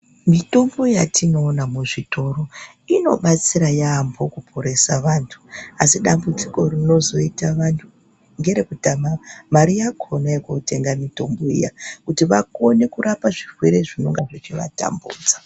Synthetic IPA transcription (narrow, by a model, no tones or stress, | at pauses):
mito̞mboijatʰino̞ːnamuʐito̞ro̞ | ino̞̰ɓat͡siɾajaːmbʰo̞kupʰoɾe̞saʋantʰu̥asiɗambud͡ziko̞rino̞zo̞itaʋantʰu | ŋɡe̞ɾe̞kutamamaɾijakʰonaekote̞ŋɡamito̞mboḭjakutiʋako̞ne̞kuɾapaʐirweɾe̞ʐino̞ŋɡaʐet͡ʃiʋa̰ta̰mbṵːd͡za